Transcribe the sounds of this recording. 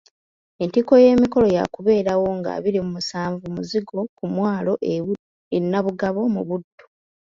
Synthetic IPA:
e̞ntiko̞je̞ːmiko̞lo̞ja̰kuβe̞ːɾawo̞ŋɡa̰βiɾimumusaːɱvumuziɡo̞kumwaːlo̞ʔ | enːaβuɡaβo̞muβudːo

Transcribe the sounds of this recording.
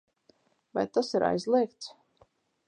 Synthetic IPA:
va̰jt̪asiɾʔa̰jzlˠiɛk̚t̪s

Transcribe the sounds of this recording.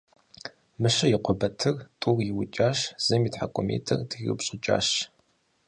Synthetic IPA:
mɨɕɐjɪqʷɔbɐtʰɨrtʼurjɪwʊt͡ʃʼaːɕz̥ɐmitħakʷʼɔmḛːtʰɨrdʰɨɣɨ̰pɕʼɪt͡ʃʼa̰ːɕ

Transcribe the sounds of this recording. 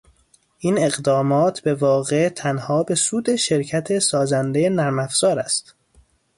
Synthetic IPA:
ʔiːne̞ɣd̪ɒːmɒːt̪ʰbe̞vɒːɣe̞ʔt̪ʰænhɒːbe̞suːd̪e̞ʃe̞ɾcʰæt̪ʰe̞sɒːzænd̪ejenæɾmæfz̥ɒːɾæst̪

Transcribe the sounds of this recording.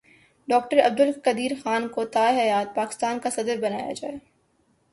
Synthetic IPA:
ɖɔːk̚ʈəɾɐb̚d̪ʊlkɐd̪iːɾxaːnkot̪aːeɦɐjaːt̪̚paːkɪ̥st̪aːnkasɐd̪əɾbɐnaːja̰d͡ʒa̰ːeː

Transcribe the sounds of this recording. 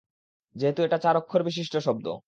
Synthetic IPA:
d͡ʑeɦet̪ueʈat͡ɕaɾokʰːoɾbiʃ̬iʃʈoʃɔb̚d̪o̰

